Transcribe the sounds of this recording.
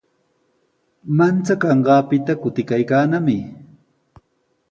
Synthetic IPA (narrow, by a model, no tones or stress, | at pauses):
mant͡sakɑɴɢɑːpɪt̪akʊt̪ɪkajkaːnamɪ